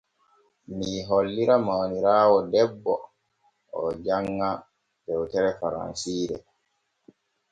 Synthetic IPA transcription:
miɦɔlːiɾamaːniɾaːwɔdɛbːɔ | ɔd͡ʒaŋːa | dɛwtɛɾɛfaɾa̰nsiːɾɛ̰

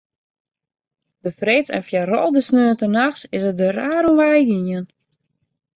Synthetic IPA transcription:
dəfreːsɛ̰nfjarɔ̰lˠdəsnøːntənaxsɪsədəraːɾɔmʋajɡiən

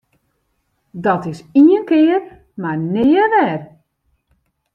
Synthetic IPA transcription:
dɔtɪsiənkɪːər | marnɪːəʋɛːr

